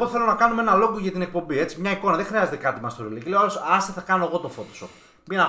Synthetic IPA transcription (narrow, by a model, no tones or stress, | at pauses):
ot̪eθelonɐkɐnumee̞nɐlo̞ɡoʝɐt̪inek̚po̞mbie̞t͡simɲɐiko̞nɐðexɾiɐze̞t̪ekɐt̪imɐst̪oɾilicileoalo̞sɐst̪iθɐkɐnoeɣo̞t̪o̞fot̪o̥sop | minɐ